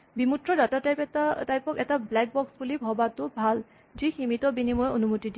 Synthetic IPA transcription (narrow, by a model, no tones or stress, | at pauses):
bimutɹɔdatatajpɛatajpɔkɛtablɛk̚bɔksbulibʱɔbatʊbʱal | ziximitɔbinimɔjonumotidi